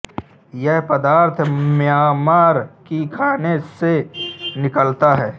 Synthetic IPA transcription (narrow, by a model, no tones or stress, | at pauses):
jɛɦpəd̪aːɾt̪ʰmjaːmaːɾkikʰaːnesenɪkəlt̪aɦɛː